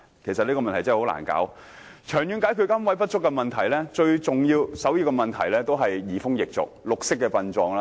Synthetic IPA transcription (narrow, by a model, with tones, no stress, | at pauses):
kʰe˨˩sɐ˨t̚li˥kɔ˧mɐ˨nt̪ʰjt͡sɐ˥˨˩hla̰ː˨˩nka̰ː˨˥w | t͡ʃʰœː˨˩ŋjyː˨˧nkaː˨˥jkʰy˨˧kɐ˥nwɐ˨˥jpɐ˥t̚t͡ʃʊ˥kːɛ˧mɐ˨˩nt̪ʰɐ˨˩jlɛː˥t͡ʃɵ˧ɥt͡sʊ˨ŋjiː˧wsɐ˨˥wjiː˧wkɛ˧mɐ˨nt̪ʰɐ˨˩jlɛː˥t̪o˥wɦɐ˨jːiː˨˩fʊ˥ŋjɪ˨k̚t͡sʊ̰˨k̚lʊ˨k̚sɪ˥k̚ːɛ˧pɐ˧nt͡sɔː˧ŋlaː˦˥